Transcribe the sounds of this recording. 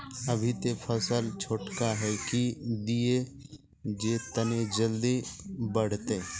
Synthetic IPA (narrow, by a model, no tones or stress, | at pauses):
ɐbʱit̪epʰəsəlt͡ʃʰoʈkaɦɛkid̪ie | d͡ʒeːt̪əned͡ʒəld̪ibəɽ̤t̪eː